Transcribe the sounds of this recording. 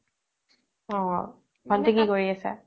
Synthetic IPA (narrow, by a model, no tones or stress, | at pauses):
ɔ̃ | ɡʱɔntekikoɹiasɛ̰